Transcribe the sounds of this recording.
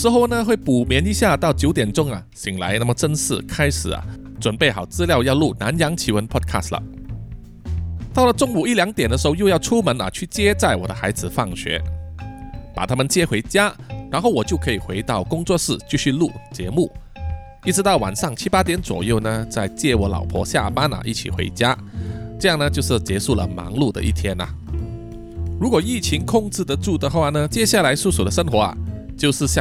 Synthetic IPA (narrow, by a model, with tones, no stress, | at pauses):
ʂɻ̩˧˥xo˥˩ʊnə˧xwe˥˩ɪpu˨˩mjɛ˧˥ni˧˥ɕja˥˧t̪ɑ˥˩ʊt͡ɕjo˧˥ʊt̪jɛ˨˩nʈ͡ʂʊ˥ŋɐ̰˨ɕʰi˨˩ŋla̰˧˥ɪna˥˩mə˨˩ʈ͡ʂə˥nʂɻ̩̰˥˩kʰa˥ɪʂɻ̩˨˩ɐ̰˩ | ʈ͡ʂwə˨˩npe˥˩ɪxɑ˨˩ʊt͡sɹ̩˥˧ljɑ˥˧ʊjɑ˥˧ʊlu˥˩na˧˥njɑ˧˥ŋt͡ɕʰi˧˥wə˧˥npʰɔ˥d̚kʰa̰˥˩slə̰˨ | t̪ɑ˥˩ʊlə˩ʈ͡ʂʊ˥ŋu˨˩i˥˩ljɑ˧˥ŋt̪jɛ˨˩nd̪əʂɻ̩˧˥xjo˧jɑ˥˧ʊʈ͡ʂʰu˥mə˧˥nɐ̰˨t͡ɕʰy˥˩t͡ɕjɛ˥t͡sa˥˩ɪwɔ̰˨˩d̪ə˦xa̰˧˥ɪd͡zɹ̩˨˩fɑ˥˩ŋɕɥɛ̰˧˥ | pa˨˩t̪ʰa˥mə˨nt͡ɕjɛ˥xwe˧˥ɪt͡ɕja˥ɻa˧˥nxo˥˩wɔ˨˩t͡ɕjo˥˩ʊkʰɤ˧˥i˨˩xwe˧˥ɪt̪ɑ˥˩ʊkʊ˥ŋt͡swɔ˥˧ʂɻ̩˥˩t͡ɕy˥˧ɕy˥˧lu˥˩t͡ɕjɛ˧˥mu˥˩ | i˥˩ʈ͡ʂɻ̩˧˥t̪ɑ˥˩ʊwa̰˨˩nʂɑ˥˩ŋt͡ɕʰi˥pa˥t̪jɛ˧˥nt͡swɔ̰˨˩jo˥˩ʊnə˩t͡sa˥˧ɪt͡ɕjɛ˥˩wɔ˧˥lɑ̰˨˩ʊpʰwɔ̰˧˥ɕja̰˥˩pa˥na̰˨˩ʔḭ˥˩t͡ɕʰḭ˨˩xwḛ˧˥ɪt͡ɕja˥ʈ͡ʂɤ˥˧jɑ˥˩ŋnə˩t͡ɕjʊʂɻ̩˥˩t͡ɕjɛ˧˥ʂu˥˩lə̰˩mɑ̰˧˥ŋlu˥˩d̪ə̰˨ʔḭ˥˩t̪ʰjɛ˥nɐ̰˨ | ɻu˧˥kwɔ˨˩i˥˩t͡ɕʰi˧˥ŋkʰʊ˥˧ŋt͡sɻ̩˥˩d̪ə˩ʈ͡ʂu˥˩d̪ə˩xwa˥˩nə˩t͡ɕjɛ˥ɕja˥˩la˧˥ɪsu˥˩su˨˩d̪ə˦ʂə˥ŋxwɔ˧˥ɐ̰˨ | t͡ɕjo˥˧ʊʂɻ̩˥˧ɕjɑ˥˨